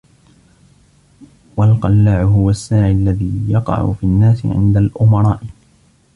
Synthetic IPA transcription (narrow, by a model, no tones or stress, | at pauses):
walqɑlːaːʕʊɦʊwasːaːʕɪlːaðiːjɑqɑ̰ʕʊ̰fiːnːaːsɪ̰ʕɪ̰nd̪alʔʊmɑɾˤɑːʔɪ